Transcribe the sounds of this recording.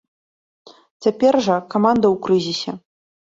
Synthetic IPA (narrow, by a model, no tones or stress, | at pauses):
t͡sʲapʲɛrʐɐkamand̪ɐwkrɨzʲisʲɛ